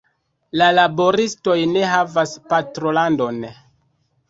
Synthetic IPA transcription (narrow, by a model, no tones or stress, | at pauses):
lalaboɾisto̞jne̞ɦavaspatɾo̞lando̞n